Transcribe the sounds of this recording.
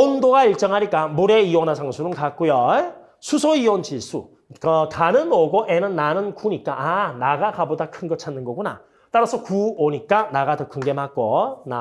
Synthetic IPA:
ondoɡaiɭt͡ɕ͈ʌŋɦaɲik͈amuɾe̞iwʌnasʰaŋsʰuɾɯnkak͈ujo | sʰusʰoiwʌnt͡ɕis͈ʰu | kʌtanɯnoɡoʔe̞nɯnːanɯnkuɲik͈aʔanaɡakabodakʰɯnɡʌt͡ɕʰanːɯnɡʌɡuna̰ | t͈aɾasʰʌkuoɲik͈anaɡatɯkʰɯnɡe̞mak͈ona

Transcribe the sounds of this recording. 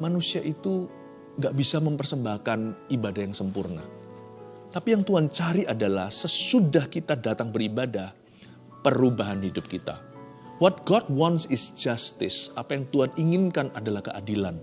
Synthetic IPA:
manusiaʔit̪u | ŋɡaʔbisaməmpərsəmbahkanibadahjaŋsəmpurna̰ | t̪apijaŋt̪uɦant͡ʃaɾiʔadalahsəsudahkit̪adat̪aŋbəɾibadah | pərubaɦanhidʊp̚kit̪a̰ | wɔt̪̚ɡ̥ɔd̚wɔnsɪsd͡ʒast̪ɪsapajaŋt̪uaniŋɪnkanadalahkə̰ʔa̰dilan

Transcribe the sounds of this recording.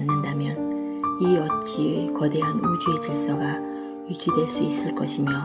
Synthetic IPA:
nːɯndamjʌn | iʌt̚t͡ɕ͈ikʌde̞ɦanud͡ʑue̞t͡ɕɯk̚s͈ʌɡa | juɡidwe̞ɭs͈uis͈ɯɭk͈ʌɕʰimjʌ

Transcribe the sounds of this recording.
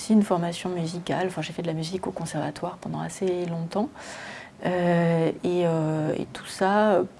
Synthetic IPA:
siːnfɔʁmasjɔ̃myzikʲa̰lɑ̃fɛ̃ʒefɛd̪əlamyzikokɔ̃sɛʁvat̪waʁpɑ̃d̪ɑ̃a̰selɔ̃t̪ɑ̃ | ø | eøḛt̪u̥saø

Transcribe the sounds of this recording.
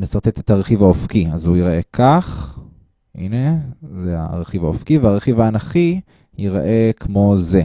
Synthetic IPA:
nesaʁt̪et̪et̪aʁeχivaofkiazujiʁae̞kʰaχ | ʔḭne̞zea̰ʁeχivaofkiveaʁeχivaːnaχi | jiʁa̰ʔekʰmo̞ze̞

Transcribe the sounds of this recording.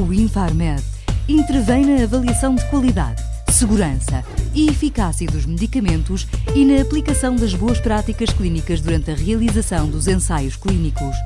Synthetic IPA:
uĩfaɾmɛðĩnt̪ɨɾvɐ̃j̃nɐːvɐlˠiɐsɐ̃w̃d̪ɨkwɐlˠiða̰ð | sɨɣuɾɐ̃sɐ̰ | iːfikasiɐðuʒmɨðikɐmẽnt̪uʃinɐːplˠikɐsɐ̃w̃d̪ɐʒβoɐʃpɾat̪ikɐʃklˠinikɐʒðuɾɐ̃nt̪ɐʁiɐlˠizɐsɐ̃w̃d̪uzẽsajuʃklˠinikuʃ

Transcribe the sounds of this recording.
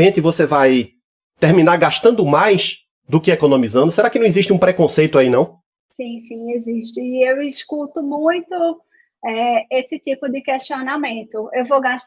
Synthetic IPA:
ẽt̪ɪvosevaj | t̪eɾmĩnaɾɡaʃt̪ɐ̃nd̪ʊmajs | d̪ʊkɪekonõmizɐ̃nd̪ʊseɾakɪnɐ̃w̃iziʃt̪ɪũpɾɛkõsejt̪ʊainɐ̃w̃ | sĩsĩeziʃt̪ɪːewɪskut̪ʊmũj̃t̪ʊ | ɛesɪt̪ipʊd̪ɪkeʃt̪ionamẽnt̪ʊewvowɡaʃ

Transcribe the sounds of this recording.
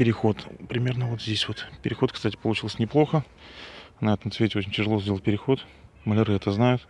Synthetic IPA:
pʲɪɾʲɪxo̞t̪pɾʲɪmʲe̞rnəvo̞t̪zʲdʲesʲvo̞t̪pʲɪɾʲɪxo̞t̪̚kst̪atʲɪ̥pəlˠʊt͡ɕilˠəsʲnʲɪplˠo̞xə | nɐɛt̪əmsvʲetʲɪot͡ɕɪnʲtʲɪʐɨlo̞zʲdʲelˠət̚ʲpʲɪɾʲɪxo̞t̪ | məlʲɪɾɨɛt̪əznajʊt̪

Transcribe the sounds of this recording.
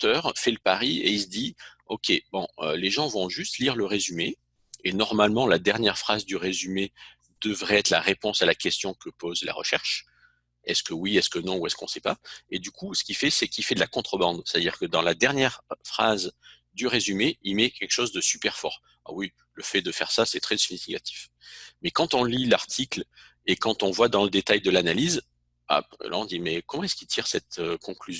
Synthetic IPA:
t̪œʁfɛləpaʁiḛis̬d̪iɔkʲʰebɔ̃ø̰leʒɑ̃vɔ̃ʒyst̪liʁləʁezyme | enɔʁmalmɑ̃lad̪ɛʁnjɛʁfχazd̪yʁezyme | d̪̥əvʁɛɛt̪χla̰ʁepɔ̃salakʲɛst̪jɔ̃kəpozla̰ʁə̰ʃɛʁʃ | ɛskəwiɛskənɔ̃uɛskɔ̃sɛpaed̪ykusə̥kʲifɛsɛkʲifɛd̪əlakɔ̃t̪χəbɑ̃d̪se̥t̪ad̪iʁkəd̪ɑ̃lad̪ɛʁnjɛʁfχaz | d̪yʁezymeimɛkʲɛlkə̥ʃozd̪əsypɛʁfɔ̰ʁ | a̰wi | ləfɛd̪əfɛʁsasɛt̪χɛsinifikat̪i̥fmɛkɑ̃t̪ɔ̃lilaʁt̪ʰikl | ekɑ̃t̪ɔ̃vwad̪ɑ̃ləd̪et̪ajd̪əlanaliz | a̰la̰ɔ̃d̪imɛkɔmɑ̃ɛskit̪ʰiʁsɛt̪økɔ̃klyzj

